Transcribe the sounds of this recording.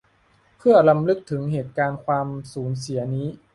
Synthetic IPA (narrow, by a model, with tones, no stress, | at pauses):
pʰɯ˥˩ɐla˧mlɯ˦˥k̚t̪ʰɯ˩˦ŋɦeː˨˩t̪̚kaː˧nkʰwaː˧msuː˩˦ns̬i˩˦ɐniː˦˥